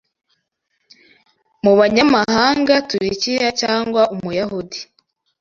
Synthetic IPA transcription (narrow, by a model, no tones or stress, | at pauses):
muβaɲamaɦaːŋɡatuɾicijacaːŋɡwaʔumujahudi